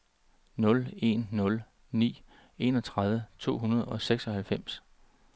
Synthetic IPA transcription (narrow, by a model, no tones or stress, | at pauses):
nɔ̽le̝nːɔ̽l | nḭː | e̝nɒ̽t͡sʰʁað̞ˠʋət͡sʰo̝̰ːɦunɐð̞ˠɒ̽seɡ̥sɒ̽hælfem̰s